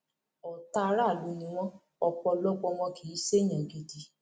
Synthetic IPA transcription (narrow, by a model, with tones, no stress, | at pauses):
ɔ˨ta˧˦ɾa˦˨lu˨˦nĩ˧w̃ɔ̃˦ | ɔ˧k͡pɔ˧lɔ˦ɡ͡bɔ˧wɔ̃˧kʰi˨˦se˦˨j̃ã˨ɡe˧di˧